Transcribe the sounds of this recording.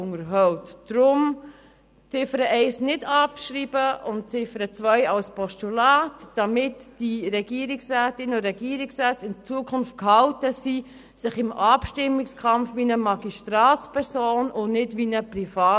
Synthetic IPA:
ʊŋəɾɦɔwtd̥ɾʊm | t͡sɪfəɾəʔɛɪsnɪdɑpʃɾiːb̥əʊnt̚t͡sɪfəɾət͡svœɪɑlspʰɔʃtulaːtd̥ɑmɪtd̥iɾɛɡ̥iːɾɪksrɛːtɪnoɾɛɡiːɾiksrɛːt͡sɪnt͡suəkʰʊnft̚khɑltəsi | sɪχɪmʔɑpʃtɪmːɪkskʰɑmfʋinəmɑɡiʃtɾɑːt͡spʰɛɾsoːnʊnɪdvinəprifɑː

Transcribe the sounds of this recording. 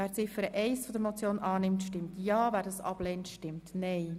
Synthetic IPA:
æːɾt͡sɪfəɾəʔɛɪsfɔd̪əɾmɔt͡sjoːnʔɑːnɪmtʃtɪmtjɑːvæːɾdɑsɑ̰b̥lɛntʃtɪmtnɛɪ

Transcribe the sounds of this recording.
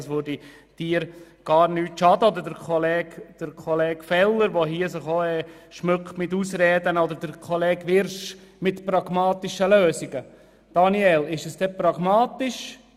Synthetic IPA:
sʋʊɾdi | d̥iːəɾ | ɡ̥ɑːɾnyːtʃɑdɔd̪əɾdəɾkʰɔlɛːɡd̥əɾkʰɔleːɡfɛlːəɾʋoɦiəs̬ɪχoːɛ | ʃmøkχtmɪtuːsɾɛːdənɔdəɾd̥əɾkʰɔlɛːɡʋɪɾʃmɪtpɾɑɡmɑːt̪ɪʃəløːsiɡə | d̥ɑniɛlɪʃəsd̥ɛpɾɑɡmɑːt̪ɪʃ

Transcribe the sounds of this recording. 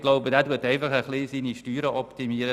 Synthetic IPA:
ɡ̥loʊbədæːduətɛɪfɑχəχlisiːniʃtyːɾəʔɔptimiːəɾə

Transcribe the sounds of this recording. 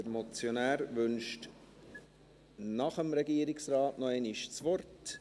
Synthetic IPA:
əɾmɔt͡sjonæːɾʋʏnʃt | nɑχəmɾɛɡiːəɾɪksɾɑːtnɔɛniʃt͡sʋɔrt

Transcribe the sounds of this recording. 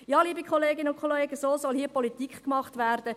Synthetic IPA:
jɑːliːbikχɔleːɡɪnəʊnkχoleːɡəsoːsɔlhiːəpɔlitikχkmɑχtʋæːrd̥ə

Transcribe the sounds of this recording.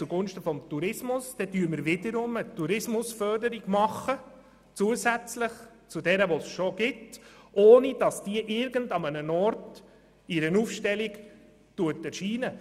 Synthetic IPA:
t͡suɡʊnʃtəfɔmtuɾɪsmʊsd̥ɛtyːəməɾʋɪdəɾʊmətuɾɪsmʊsfœɾdəɾiɡ̥mɑχə | t͡suəzæt͡sləχ | t͡sudɛɾəʋosʃoɡɪtʔoːnid̥ɑsd̥iəʔɪɾɡəndɑmənənɔɾt | iɾənuːfʃtɛliɡ | tuətɛɾʃiːnə

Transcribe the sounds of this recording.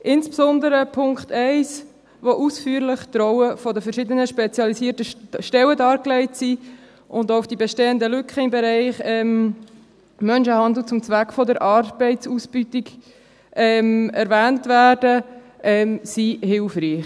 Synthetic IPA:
ʔɪnspsɔndəɾəpʰʊŋktʰɛɪs | voʔusfyːɾlɪχt̪ɾɔwəfɔdəfɛɾʃɪdənəʃpɛt͡sjɑlisiːtəʃtɛwədɑːɾklɛɪtsi | ʔʊndoʊfd̥ibɛʃteːəndəlʏkʰχəɪmbɛɾɛɪχɛm | mœnʃəhɑnd̪l̩t͡sʊmt͡sʋækfɔdəɾʔɑɾb̥ɛɪtsusb̥ytik | ʔɛmɛɾvæːntvæːrdə | ʔɛmsihɪlfriːχ

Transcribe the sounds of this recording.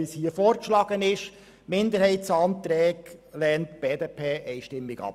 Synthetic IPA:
ishiəfɔːɾkʃlɑːɡ̥ənɪʃ | mɪnd̪əɾhɛɪtsɑnt̪ɾɛːɡlɛːntb̥eːdepʰeːʔɛɪʃtɪmːɪɡɑ̰p

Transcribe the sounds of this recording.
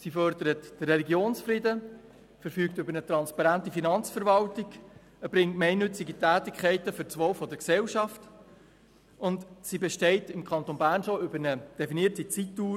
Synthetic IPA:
sifœɾdəɾətd̥ərːɛliɡjoːnsfridə | fəɾfyːktʏbəɾnət̪ɾɑnspɑɾæntifinɑnt͡sfəɾvɑltɪk | əb̥ɾɪŋtmɛɪnːʏt͡sɪɡitæːtɪkʰχɛɪtəfʏɾt͡sʋɔʊfɔdəksɛlʃɑft | ʊntsibɛʃtɛɪtɪmkʰχɑntonbæːrnʃoʏbəɾnəd̥ɛfiniətsit͡sitːuː

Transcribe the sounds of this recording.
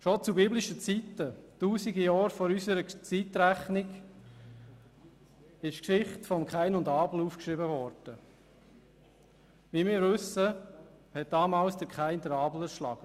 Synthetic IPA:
ʃot͡subiblɪʃət͡sitətuːsiɡijɑːɾfɔɾysəɾət͡sitɾæχnɪɡ | ɪʃkʃɪχtfɔmkχaɪnʊndɑːbl̩uːfkʃɾɪbəvɔɾd̥ə | viːmɪːɾvɵsəhɛt̚d̥ɑːmɑːlsd̥̪əɾkʰχaɪnd̪əɾɑːbl̩əɾʃlɑ̰ɡ̥ə

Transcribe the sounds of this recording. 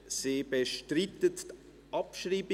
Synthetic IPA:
seːbeʃtritətt | ʔɑpʃriːb

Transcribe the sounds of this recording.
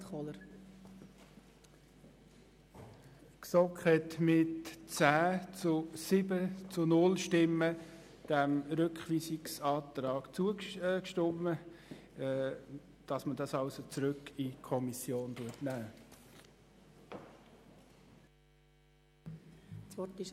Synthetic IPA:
ɔləɾ | ksɔkχhɛtmɪtt͡sæːt͡sʊsɪbət͡sʊnʊlʃtɪmːə | d̥æmɾʏkχʋiːsɪksɑːt̪ɾɑːɡ̥t͡suəkʃtɔmə | d̥ɑsmədɑsɑʊsot͡sɾøkːikʰɔmisjoːntuətnæː | sʋɔtɪʃ

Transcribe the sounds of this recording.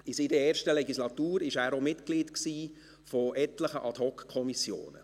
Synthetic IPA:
ɪsidəɛːɾʃtəlɛɡislɑt̪uːɾɪʃæːɾomɪtkliːtksiː | fɔʔɛtləχəʔɑt̪hɔkkʰːɔmisjo̰ːnə̰

